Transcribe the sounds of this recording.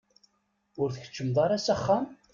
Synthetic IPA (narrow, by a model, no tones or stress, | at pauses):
ʊɾθəçə̥t͡ʃːəmðˤɑɾasæχːam